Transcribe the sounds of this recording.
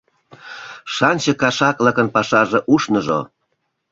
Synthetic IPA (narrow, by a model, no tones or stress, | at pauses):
ʃɑnʲt͡ɕəkɑʃɑklə̆kənpɑʃɑʒeʔuʃnəʒo̰